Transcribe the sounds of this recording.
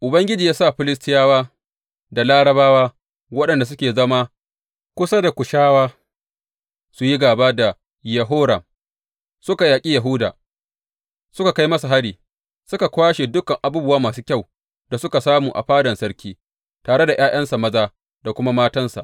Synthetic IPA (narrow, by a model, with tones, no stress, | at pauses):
ʔʊ˨bɐ˦ŋɡʲɪ˦d͡ʒiː˨jaː˦sa˦˨ɸɪ˦lɪ˦stɪ˦jaː˦waː˦ | da˨laː˦ɽɐ˦baː˦waː˦ | wɐ˦ɗɐ˨nda˨s̬ʊ˦kʲeː˨zɐ˦ma˦ | kʷʊ˦sa˦da˨kʷʊ˨ʃaː˦waː˦ | su˨ji˦ɡaː˨ba˦da˨ | jɐ˨ɦoː˦ɽɐ˨m | sʊ˦ka˨jaː˨kʲʼiː˦ja˨ɦʊ˦da̰ː˨ | sʊ˦ka˨ka˦jmɐ˦sa˨ɦa˦ɽiː˨ | sʊ˦ka˨kʷaː˦ʃeː˨dʊ˦kɐ˨ŋʔa˨buː˦bʊ˦waː˦maː˨suː˦kʲa˦˨w | da˨sʊ˦ka˨saː˦muː˨ʔa̰˨ɸaː˦dɐ˨nsɐ˦ɽkʲiː˦ | taː˨ɽe˦da˨j̰ʔaː˦jʔɐ˦nsa˨mɐ˦zaː˦ | da˨kʷʊ˦ma˦maː˦tɐ˦nsa̰˨ʔ